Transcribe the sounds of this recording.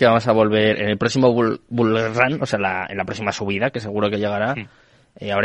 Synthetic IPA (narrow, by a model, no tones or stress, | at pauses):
keβamo̞s̬aβ̞o̞lβe̞ɾʔḛne̞lpɾoksimobulrano̞sealaḛnlapɾosimasuβ̞iðake̞s̬e̞ɣ̞uɾo̞ke̞ʎe̞ɣ̞aɾa | eaβɾ